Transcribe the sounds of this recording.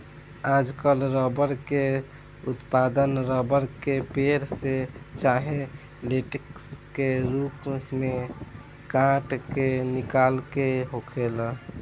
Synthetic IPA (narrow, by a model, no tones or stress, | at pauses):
ad͡ʒkəlɾɔbəɾke | ut̪pad̪ənɾɔbəɾkepeɾset͡ʃaɦẽ | leʈekskeɾupme | kãʈkenikalkeɦokʰel